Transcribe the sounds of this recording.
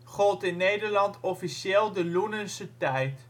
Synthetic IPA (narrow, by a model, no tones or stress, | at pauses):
χɔlˠtɪnːejdəɹlɑntʰɔfiseːlˠdəlunənsətɛjt